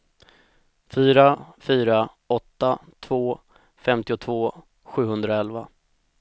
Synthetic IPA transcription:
fyːɾafyːɾa | ɔt̪ːat̪ʰvoː | fɛmt̪ɪʊt̪ʰvoː | ɧʉ̟ːhɵnd̪ɾaɛlva

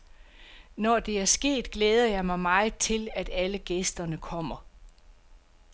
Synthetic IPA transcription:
nɒd̥e̝æɐsɡ̥e̝̰ːd̥ɡ̥leːð̞ˠɐjɑ̈ɪmɑ̈ɪmɑ̈ɪt͡sʰe̝læd̥æləɡ̥esd̥ɐnəkʰɒ̽m̰ɐ

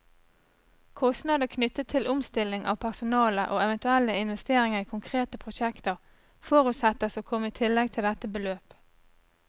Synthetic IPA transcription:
kʰɔst̪nɑd̪əkʰnʏt̪ːət̪ʰːɪlʔʊmst̪ɪlːɪŋʔɑ̰ːʋpʰæʁsʊnɑːləʔoːɛʋənt̪ʉɛlːəɪnʋɛst̪eːʁɪŋəʁiːkʰʊŋkʰʁeːt̪əpʰʁʊʃɛkt̪əʁ | fɔːʁʉt̪sɛt̪əsoːkʰɔmːəiːt̪ʰɪlːɛɡ̚t̪ʰɪld̪ɛt̪əbəløːp

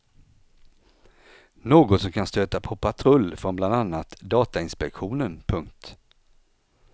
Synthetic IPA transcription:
noːɡɔt̪sɔmkʰanst̪øːt̪apʰɔpʰat̪ʰɾɵlːfɾɔnbland̪anːat̪d̪ɑːt̪aɪnspɛkɧuːnənpʰɵŋkt̪

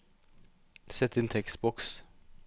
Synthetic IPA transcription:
sɛt̪ːeːnt̪ʰɛkst̪bɔks

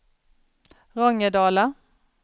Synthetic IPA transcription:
ʁɔŋːəɖɑːla

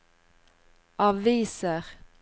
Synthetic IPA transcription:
ʔɑʋiːsəʁ

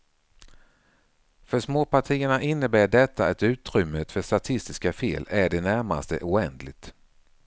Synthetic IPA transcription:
fœʂmoːpʰaʈʰiːəɳaʔɪnːəbæːɖɛt̪ʰːaɛt̪ʉ̟ːt̪ɾʏmːət̪fœʂt̪at̪ʰɪst̪ɪskafḛːlæɖɛnæɾma̰st̪ə̰ʔʊːɛnd̪lɪɡt̪

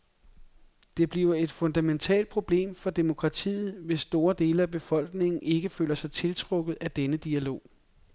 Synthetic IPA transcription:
d̥e̝b̥liʊɐe̝d̥fɔ̽nd̥æment͡sʰɛ̰ːld̥̚pʰʁo̝b̥le̝̰ːmfɒ̽d̥e̝mo̝kʰʁɑ̈t͡sʰḭːð̩ˠʋe̝sːd̥o̝ːɐd̥e̝̰ːləæb̥e̝fɒ̽l̰ɡ̥ne̝ŋn̩ʔe̝ɡ̥əfø̰ːlɐsɑ̈ɪt͡sʰe̝lt͡sʰʁɔ̽ɡ̥ð̩ˠæd̥enəd̥iælo̝̰ː

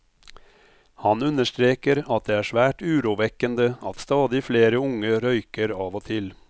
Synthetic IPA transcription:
hɑnʉnəʂt̪ɾeːkəɾɑt̪̚d̪eːæːʂʋæːʈʉːɾuːʋɛkənd̪əɑt̪st̪ɑːd̪ɪfleːɾəʊŋəɾœʏkəɾɑːʋoːt̪ʰɪl

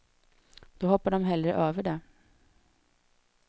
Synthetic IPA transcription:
d̪̥ɔːhɔpːaɖɔmɦɛld̪ɾə̰ʔøːvəɖɛ

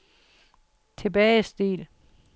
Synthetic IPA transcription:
t͡sʰe̝b̥ɛːɪsd̥ḭːl

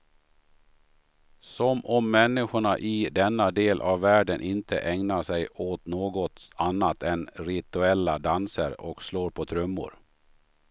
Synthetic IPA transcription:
sɔmʔɔmːɛnːɪɧʊɳaʔɪd̪ɛnːad̪eːlʔavːæːɖənʔɪnt̪ʰə̰ʔɛŋnaʂɛjoːt̪noːɡɔt̪anːat̪ʰɛnɾɪt̪ɵɛlːad̪ansə̰ɾɔksloːɾpʰɔt̪ʰɾɵmːʊ̰ɾ

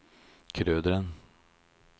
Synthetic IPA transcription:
kʰɾøːd̪əɾən

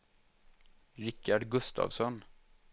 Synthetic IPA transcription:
ɾɪkːaɖɡɵst̪ʰɑ̰ːvsɔn

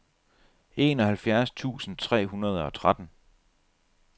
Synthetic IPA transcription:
e̝ːnɒ̽hælfjæɐst͡sʰṵːsn̩t͡sʰʁɛ̰ːɦunɐð̞ˠɒ̽t͡sʰʁad̥n̩

